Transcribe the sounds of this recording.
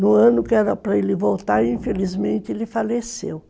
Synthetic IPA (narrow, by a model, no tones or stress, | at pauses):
nʊ̃ɐ̃nʊkɪɛɾɐpɾɐelɪvowt̪aɾĩfelizmẽnt̪ɪelɪfalesḛw